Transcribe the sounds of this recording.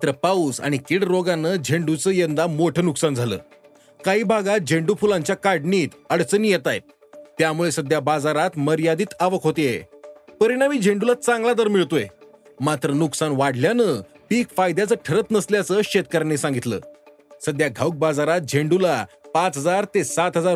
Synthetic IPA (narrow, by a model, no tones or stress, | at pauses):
mat̪ɾəpausa̰ɽ̃ikiɽɾoɡanəːd͡ʑʱeɳɖut͡səːjənd̪amoʈʰəːnuksand͡zʱalə̰ː | kaɦiːbʱaɡat̪̚d͡ʑʱeɳɖufulãɲt͡ɕjakaɖɳiːt̪əɽt͡səniːjet̪ajt̪̚ | t̪ːjamuɭesəd̪jabad͡zaɾat̪məɾjad̪iːt̪aʋəkɦot̪eepəɾiɽaʋiːd͡ʑʱẽɳɖulat͡sãŋɡlad̪əɾmiɭt̪oe | mat̪ɾənuksanʋaɽljanə | piːkfajd̪jat͡səːʈʰəɾət̪nəsljat͡səːɕet̪̚kəɾnesãŋɡit̪lə̰ː | səd̪jaɡʱawk̚bad͡zaɾat̪̚d͡ʑʱeɳɖulapat͡sɦəd͡zaɾt̪esat̪ɦəd͡zaɾ